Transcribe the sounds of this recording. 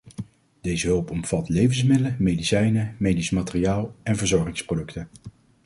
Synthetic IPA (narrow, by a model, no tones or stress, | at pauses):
d̥ejzəɦɵlˠpɔmfɑtlejvənsmɪdələmejdisɛjnəmejdisəmatɪriaːlˠɛnvəɹzɔɹχɪŋsprodɵktən